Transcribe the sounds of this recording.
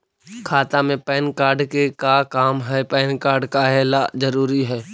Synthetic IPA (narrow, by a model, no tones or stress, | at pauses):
kʰaːt̪amẽpɛːnkaːɾɖkekakaːmɦɛːpɛːnkaːɾɖkaɦɛːlazəɾuːɾiɦɛː